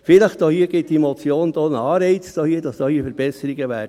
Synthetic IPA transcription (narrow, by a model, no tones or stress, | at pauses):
fɪləχd̥oːhiːəɡ̥ɪt̚d̥imɔt͡sjoːnd̥̪oːnəɑːɾɛɪt͡sd̥oːhiːəd̥ɑsd̥ɔːhiːəfəɾb̥ɛsəɾiɡəʋæː